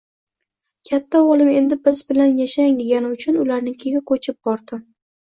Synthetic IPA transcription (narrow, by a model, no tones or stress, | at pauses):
kʲʰat̪ʰːaɒlˠɪme̞nd̪ɪbɪzbɪlanjaʃaŋd̪eɡʲanɪʊt͡ʃʰʊnʊlaɾnɪŋkʲʰeɡʲɪkʰot͡ʃʰɪp̚bɒɾd̪ɪ